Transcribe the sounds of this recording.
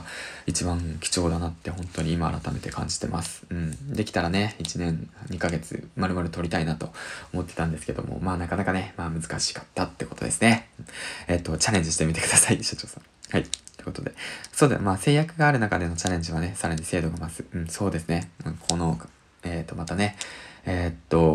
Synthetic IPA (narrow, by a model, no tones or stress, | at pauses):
it͡ɕibãŋkʲi̥t͡ɕo̞ːd̪anat̪ːe̞ɦõ̞nt̪o̞ɲ̟iːma̰ːɾat̪ame̞t̪e̞kʰã̰ɲ̟d͡ʑi̥t̪e̞̰mʔa̰sɨ̥ɯ̟̃ɴd̪e̞kʲi̥t̪aɾane̞it͡ɕinẽ̞ŋɲ̟ikaɡe̞t͡sɨ̰maɾɯmaɾɯ̟t̪o̞ɾʲit̪ainat̪o̞̰omo̞t̪ːet̪ãnd̪e̞sɨ̥ke̞d̪o̞̰mo̰maːnakanakane̞maːmɯ̟zɨ̥kaɕi̥kḁt̪ːat̪ːe̞ko̞̥t̪o̞d̪e̞sɨne̞ɯ̟̃et̪ːo̞t͡ɕaɾẽ̞ɲd͡ʑiɕit̪emʲit̪e̞kɯ̥d̪asaiɕḁt͡ɕo̞ːsã̰ | haiteeko̞t̪od̪e̞so̞ːd̪emaːse̞ːjakɯ̟ɡaːɾɯ̟nakad̪e̞no̞t͡ɕaɾẽ̞ɲ̟d͡ʑiβane̞saɾaɲ̟ise̞ːd̪o̞ɡamasɨ̥ɯ̟̃ɴso̞ːd̪e̞sɨne̞ɯ̟̃ɴkʰo̞no̞ | eːt̪ːo̞mat̪ane̞eːt̪ːo̞